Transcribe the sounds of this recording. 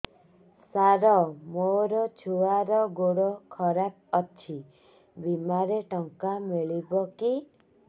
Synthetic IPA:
saɾɔmoɾɔt͡ʃʰuaɾɔɡoɽɔkʰɔɾap̚ɔt͡ʃʰi | bimaɾeʈɔŋkameɭibɔki

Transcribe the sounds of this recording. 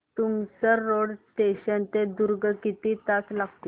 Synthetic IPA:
t̪umsəɾːoɽʈeɕənt̪ed̪uɾɡəkit̪it̪at͡slaɡt̪i

